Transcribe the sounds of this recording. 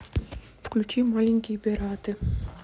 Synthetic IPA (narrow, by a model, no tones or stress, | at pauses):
fklʲut͡ʃimalʲiŋʲkʲijbʲɛɾat̪ɨ